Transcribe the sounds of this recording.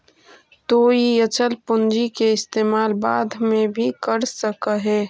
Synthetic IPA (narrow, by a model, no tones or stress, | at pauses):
t̪oijət͡ʃəlpʊnd͡ʒikeɪst̪eːmaːlbaːd̪ʱmẽbʱikəɾsəkəɦeː